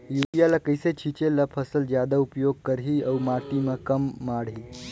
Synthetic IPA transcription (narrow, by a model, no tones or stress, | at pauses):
juːpijalakəjset͡ɕʰit͡ɕelapʰəsəld͡ʑjad̪aupjoɡ̚kəɾɦiːəwmaʈimakəmːaɽɦiː